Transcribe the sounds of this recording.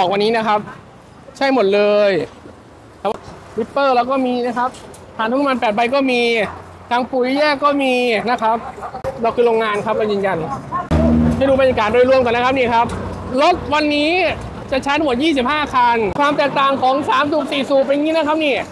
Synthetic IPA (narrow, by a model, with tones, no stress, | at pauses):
ɔː˨˩k̚wa˧nːiː˦˥na˦˥kʰa˦˥p̚ | t͡ɕʰa˥˩jmo˨˩t̪̚lɤː˧j | t̪ʰɛː˨˩wa˥˩ | wi˦˥pːɤː˥˩lɛː˦˥wkɔː˥˩miː˧na˦˥kʰa˦˥p̚ | tʰaː˨˩t̪a˦˥˦ma˧npɛː˨˩t̪̚ba˧jkɔː˥˩miː˧ | t̪ʰaː˧ŋpu˨˩˦jjɛː˥˩kːɔː˥˩miː˧na˦˥kʰa˦˥p̚lɛː˧kʰɯː˧ɾoː˧ŋaː˧nkʰa˦˥p̚kɔː˥˩jɯː˧nja˧n | ma˥˩jduː˧ba˧nja˧kaː˨˩t̪̚do˧jlu˧əmk̪ɔ˨˩na˦˥ka˦˥niː˧˥˩kʰa˦˥p̚ | lo˦˥t̪̚wa˧nːiː˦˥ | t͡ɕa˨˩t͡ɕʰa˦˥nm̚˨˩˦jiː˥˩si˨˩p̚haː˥˩kʰa˧nkʰwaː˧mt̪ɛː˨˩k̚t̪aː˨˩ŋkʰɔː˨˦ŋsaː˨˦msuː˨˩p̚siː˨˩suː˨˩p̬̚ja˧ŋiː˦˥na˦˥kʰa˦˥p̚niː˥˩